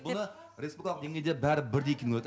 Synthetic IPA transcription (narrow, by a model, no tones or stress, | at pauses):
bʊnə | ɾespulʲikʰalˠq̚d̪eŋnʲe̞jd̪ebæɾɪbɪɾd̪ejekʰʲenɪŋwɵt̪ː